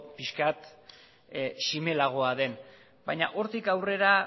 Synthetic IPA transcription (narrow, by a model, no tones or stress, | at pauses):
piskat̪ | sime̞laɣ̞o̞aðe̞n | bajɲaʔo̞ɾt̪ikawre̞ɾa